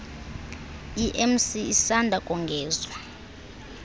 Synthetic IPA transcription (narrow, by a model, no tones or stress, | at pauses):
iʔɛmsiisandʱakʼɔŋɡʱɛːzwa